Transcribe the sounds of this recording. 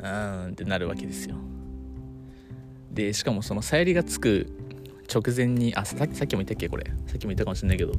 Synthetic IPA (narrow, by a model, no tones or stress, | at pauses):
ɯ̃t̪e̞naɾɯ̟βa̰ke̞d̪e̞sɨjo̰ | d̪e̞ɕi̥kamo̞so̞no̞saiɾʲiɡat͡sɨ̥kɯ̟ | t͡ɕo̞kɯ̟zẽ̞ɲ̟ːiʔaakʲsakʲːimo̞it̪ːakʲːe̞ko̞ɾʔe̞̰sakʲːimoit̪ːakamoɕĩnːaikeo̞